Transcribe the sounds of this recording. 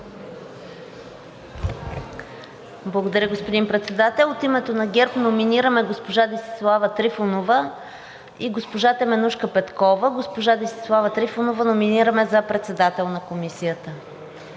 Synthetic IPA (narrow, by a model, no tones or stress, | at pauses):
blˠəɡod̪ɐɾʲəɡospod̪inpɾɛt̪sɛd̪at̪ɛlˠot̪imɛt̪onɐɡʲɛɾpnominiɾəmɛɡospoʒad̪ist̪i̥slˠavət̪ɾifonovə | iɡospoʒat̪ɛmɛnuʃkəpɛt̪kɔvəɡospoʒad̪ist̪i̥slˠavət̪ɾifonovənominiɾəmɛzɐpɾɛt̪sɛd̪at̪ɛlˠnɐkomisijət̪ə